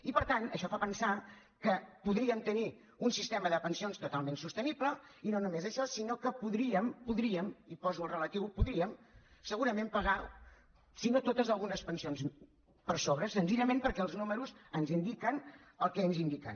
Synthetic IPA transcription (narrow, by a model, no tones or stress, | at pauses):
ipəɾt̪anəʃɔfapənsa | kəpuðɾiəmt̪əni | unsist̪ɛməðəpənsionst̪ut̪alˠmensust̪ənipləinonumezəʃɔsinokəpuðɾiəmpuðɾiəmipɔzuəlˠrələt̪iwpuðɾiəmsəɣuɾəmẽmpəɣa | sinot̪ot̪əzəlˠɣunəspənsions | pəɾsoβɾəsənziʎəmempəɾkɛəlˠznuməɾuzənzind̪ikən | əlˠkɛnzind̪ika̰n